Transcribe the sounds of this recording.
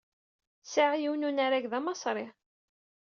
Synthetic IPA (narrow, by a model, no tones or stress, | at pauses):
saʕjiwnunaɾæɡðɑmɑsˤɾˤɪ